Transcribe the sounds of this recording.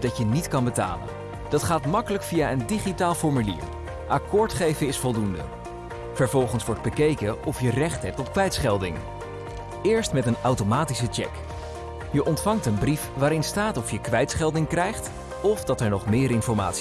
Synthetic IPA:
dɑcənitkɑnbəta̰ːlə̰n | d̥ɑtχaːtmɑkələkfijaːʔəndiχitaːlˠfɔɹmylḭːɹ | ʔɑkʊːɹtχejvəɪsfɔlˠdundə̰ | v̥əɹvɔlˠχənsʋɔɹd̚bəkejkəʔɔfjərɛχtɦɛp̚tɔpkʋɛjtsχɛlˠdɪŋ | ɪːɹstmɛtənawtomaːtisət͡ʃɛ̰k | jəʔɔntfɑŋtənbrifʋaːɾɪnstaːtɔfjəkʋɛjtsχɛlˠdɪŋkrɛjχt | ɔfdɑtɛɹnɔχmɪːɾɪnfɔɹma̰ːts

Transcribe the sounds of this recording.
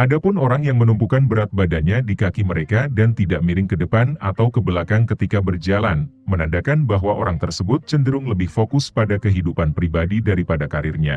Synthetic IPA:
ʔadapʊnoɾaŋjaŋmənumpukanbəɾat̪̚badaɲadikakiməɾekadant̪idaʔmiɾɪŋkədəpana̰t̪awkəbəlakankət̪ikabərd͡ʒala̰nmənadakanbaɦwaʔoɾaŋt̪ərsəbʊt̪̚t͡ʃəndəɾʊŋləbɪhfokʊspadakəɦidupanpɾibadidaɾipadakaɾɪrɲa̰

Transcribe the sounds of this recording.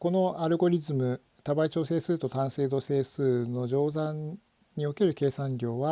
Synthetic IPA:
ko̞no̞aɾɯ̟ɡo̞ɾʲizɨmɯ̟ | t̪abait͡ɕo̞ːse̞ːsɨːt̪o̞t̪ãɰ̃se̞ːd̪o̞se̞ːsɨːno̞ʑo̞ːzãɲ | ɲio̞ke̞ɾɯ̟ke̞ːsãɲɾʲo̞ːβa

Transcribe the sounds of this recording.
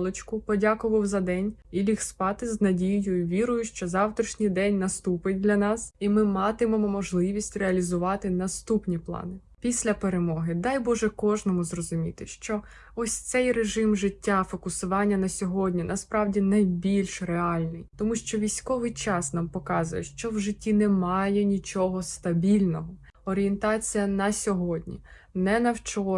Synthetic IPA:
lˠɔt͡ʃkʊpɔdʲakʊʋɐwzɐd̪ɛnʲilʲixspɑt̪ɪznɐdʲijjʊjʊʋʲiɾʊjʊʃt͡ʃɔzɑwt̪ɾʲiʃnʲɪjd̪ɛnʲnɐst̪upɪt̚ʲd̪lʲɐnɑsimɪmɑt̪ɪmɔmɔmɔʒlˠɪʋʲisʲtʲreɐlʲizʊʋɑt̪ɪnɐst̪upnʲiplˠɑ̰nɪ | pʲisʲlʲɐpeɾemɔɦɪd̪ɑjbɔʒɛkɔʒnɔmʊzrɔzʊmʲit̪ɪʃt͡ʃɔ | ɔsʲt̪sɛjreʒɪmʒɪtʲːafɔkʊsʊʋɑnʲːɐnɐsʲɔɦɔdʲnʲinɐspɾɑwdʲinɐjbʲilʲʃreɑlʲnɪjt̪ɔmuʃt͡ʃɔʋʲijsʲkɔʋɪjt͡ʃɑsnɑmpɔkɑzʊjɛʃt͡ʃɔwʒɪtʲːinɛmɑjɛnʲit͡ʃɔɦɔst̪ɐbʲilʲnɔɦɔ | ɔɾʲient̪ɑt͡sʲijɐnɐsʲɔɦɔdʲnʲḭ | nɛnɐwt͡ʃɔ

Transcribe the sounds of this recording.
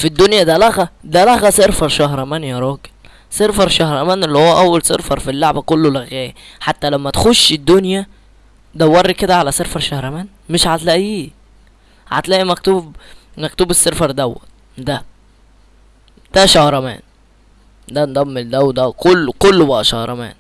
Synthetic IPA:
fid̪ːonjæd̪ælæɣæd̪ælæɣæseɾfɑɾˤʃɑhɾˤɑmæːnjæɾˤɑːɡe̥l | seɾfɑɾˤʃɑhɾˤɑmæːnelːihowːæʔæwːælsḛɾfɑɾˤfilːoʕbækolːolæɣæːjæħat̪ːælæmːæt̪xoʃːed̪ːonjæ | d̪æwːɑɾˤːiked̪æʕalæseɾfɑɾˤʃɑhɾˤɑmæːn | meʃʕat̪læʔiː | ʕa̰t̪læːʔimæk̚t̪uːb | mæk̚t̪uːbesːeɾfɑɾˤd̪æwːæ̰ | d̪æ | d̪̥æʃɑhɾˤɑmæ̰ːn | d̪ænd̪ˤɑmːeld̪æwd̪ækolːkolːbæʔæʃɑhɾˤɑ̰mæ̰ːn

